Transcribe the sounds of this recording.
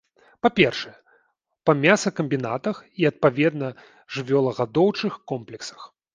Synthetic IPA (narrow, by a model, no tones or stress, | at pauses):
papʲɛrʂɨjɛ | pɐmʲasɐkɐmʲbʲinat̪ɐxiɐt̪̚pavʲɛd̪nɐ | ʐɨvʲɔlˠɐɣad̪ɔwt͡ʂɨxkɔmplʲɛksɐ̥x